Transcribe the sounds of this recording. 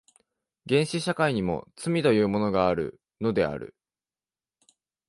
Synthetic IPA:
ɡẽ̞ɕiɕakaiɲ̟imo̞̰t͡sɨmʲit̪o̞jɯ̟ːmo̞no̞ɡaːɾɯ̟̰ | no̞d̪e̞a̰ɾɯ̟̰

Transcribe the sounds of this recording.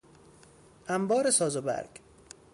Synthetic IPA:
æmbɒːɾesɒːzobæ̰ɾɡ

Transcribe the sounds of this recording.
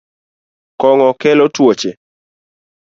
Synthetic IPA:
kɔŋɔkɛlotwot͡ʃe

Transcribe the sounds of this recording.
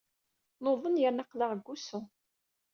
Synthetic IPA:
noðˤənjəɾnɑqlɑʁəɡʷːusu

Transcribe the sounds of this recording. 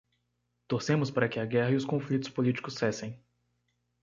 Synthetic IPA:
t̪oɾsẽmʊspaɾɐkɪɐɡɛhɐiʊskõflit̪ʊ̥spolit͡ʃi̥kʊsːɛsẽj̃

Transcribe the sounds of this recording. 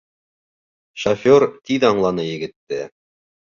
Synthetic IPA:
ʃɐfʲoɾt̪iðɑɴlˠɑnɤjɘ̆ɡɘ̆t̪ːɘ

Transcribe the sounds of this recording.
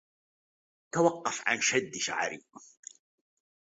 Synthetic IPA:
t̪awɑqːɑfʕa̰nʃad̪ːʃa̰ʕɾḭ

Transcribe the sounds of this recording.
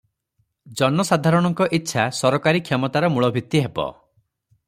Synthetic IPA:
d͡ʒɔnɔsad̪ʱaɾɔɽ̃ɔŋkɔʔitːʃʰasɔɾɔkaɾikʰjemɔt̪aɾɔmuɭɔbʱit̪ːiɦebɔ̰

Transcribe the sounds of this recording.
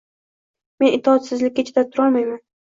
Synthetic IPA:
me̞nɪt̪ʰɑɒt̪sɪzlɪkʲːat͡ʃʰe̥t̪ʰap̚t̪ʰʊɾɒlˠmajman

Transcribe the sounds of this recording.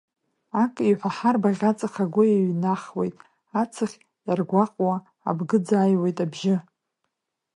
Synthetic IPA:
akʼiħʷaħarbaʁʲat͡sʼaχaɡʷʊaɥnaχwe̞̰jtʼ | at͡sʰɨχʲ | jarɡʷaqʼwa | a̰bɡɨd͡zaːjwe̞jtʼabʒɪ

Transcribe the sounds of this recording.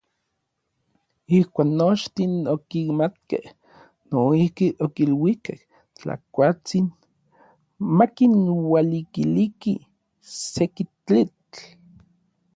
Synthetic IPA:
ihkʷaːknot͡ʃt̪inokimat̪̚kḛh | noihkiʔokilwikeh | t͡ɬa̰kʷat͡sin | makinwalikiliki | seki | t͡ɬi | t͡ɬ

